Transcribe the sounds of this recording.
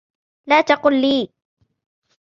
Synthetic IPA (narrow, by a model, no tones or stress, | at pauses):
laːt̪ɑqʊːlːiː